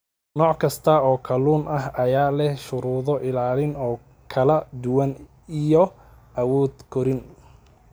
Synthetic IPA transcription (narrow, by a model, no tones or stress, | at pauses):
nɔːʕkʰɐst̪ʰɐɔːkʰɐluːnʔɐɦɐjaːlɛʃʊɾuːðɔʔɪlaːlɪnɔː | kʰɐlɐd̪ʊwɐn | ijɔ | ʔɐwɔːd̪kʰɔɾɪn